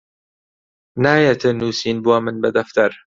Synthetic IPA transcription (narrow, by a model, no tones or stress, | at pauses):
naːjet̪ʰɨnuːsiːnbuɐmɨnbɐd̪ɐft̪ɐɾ